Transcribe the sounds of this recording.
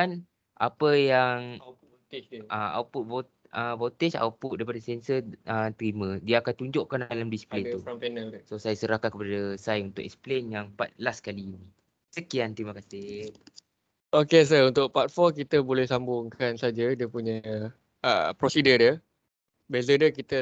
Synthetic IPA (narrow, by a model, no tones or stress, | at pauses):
an | ʔa̰pəjaŋ | ʔaa̰wput̪̚bot̪̚ | əvot̪esa̰wput̪daipadasɛnsəət̪ɾimə̃diaːkant̪uɲd͡ʒoʔkandalamdisi̥plenupɛnalsosajasəɾahkankəpadasajunt̪ʊkɛ̰ksplenjaŋpa̰t̪̚laskaliːni | səkiant̪əɾimakasɪ | okes̬əunt̪ʊʔ̚pat̪̚fɔkit̪əbolɛhsambʊŋkansad͡ʒadiəpuɲə | ə̰pɾosidədjə | bezədəkit̪ə